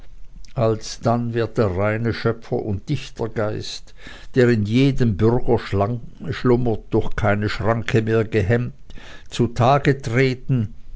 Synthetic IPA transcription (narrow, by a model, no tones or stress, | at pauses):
ʔalsd̥anvɪɐt̚d̥eːɐʁaɪnəʃœfɐ̰ʔʊntd̥ɪçtʰɐɡaɪst | d̥eːʁɪnjeːdəmbʏɐɡɐʃlaʃlʊmət̚d̥ʊɐçxkʰaɪnəʃʁ̥aŋkʰəmeːɐɡəɦɛmtt͡sutʰaːɡətʁ̥eːtn̩